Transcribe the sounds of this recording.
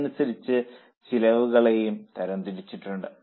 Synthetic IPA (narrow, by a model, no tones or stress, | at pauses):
nusɐɾit͡ɕːɨ | t͡ɕilɐʋuɣɐɭe̞jumt̪ɐɾɐnd̪iɾit͡ɕːiʈːuɳɖɨ